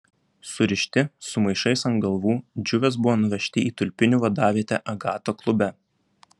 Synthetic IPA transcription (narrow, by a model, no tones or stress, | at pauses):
sʊɾʲɪʃʲt̪ʲɪsʊmɐɪʃɐɪsɐŋɡɐlˠʋuːd͡ʒʲʊʋʲɛsbʊʋoːnʊʋʲɛʃʲt̪ʲɪiːt̪ʊlʲpʲɪnʲuʋɐd̪ɑːʋʲiɛt̪ʲɛʔɐɡɑːt̪oːklˠʊbʲɛ